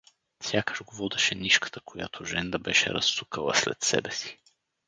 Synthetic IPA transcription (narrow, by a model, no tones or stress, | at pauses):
fsʲjakəʒɡovɔd̪ɛʃɛniʃkə̥t̪əkʰoja̰t̪ʰoʒɛnd̪əbɛʃɛ̰ɾɐ̰sːukəlˠə̰slɛ̰t̪sɛ̰bɛsi̥